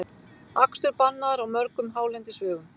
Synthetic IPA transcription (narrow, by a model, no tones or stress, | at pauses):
akst̪ʏɾpanːaɾawmœɾkʏmɦaːwlɛjnt̪ɪsvʏːɣʏm